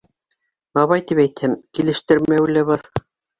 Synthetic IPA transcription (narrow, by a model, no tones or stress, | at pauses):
ɑβɑjt̪ipæjt̪hɘmkilɘ̆ʃt̪ɘ̆ɾmæwlæβɑɾ